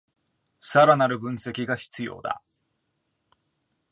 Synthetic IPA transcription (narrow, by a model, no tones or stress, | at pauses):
saɾanaɾɯ̟bɯ̟̃ɰ̃se̞kʲiɡaçi̥t͡sɨjo̞̰ːd̪a̰